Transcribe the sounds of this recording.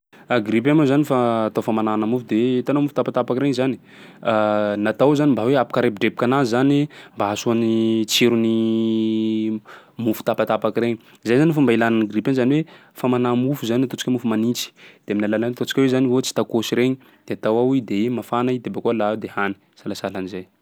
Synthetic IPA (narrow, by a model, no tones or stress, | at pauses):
aɡɾip̬amazanifaːt̪awfamananamufud̪et̪anamufut̪apat̪apakiɾeɲizani̥ | nat̪awzanimbaweapḁkaɾep̚iɖ͡ʐep̚i̥kʲanazanimbaasuanit͡seɾuni | mufu̥t̪apat̪apakiɾeɲi | zajzanifumbailananaɡripanzaniwe | famanamufuzannat̪ot͡si̥kamufumanit͡si̥d̪̥eaminalalant̪ot͡si̥kʲawezanivot͡si̥t̪akosiɾeɲi | d̪̥eat̪awawid̪eemafanaid̪ebakualad̪ehani | salasalanizaj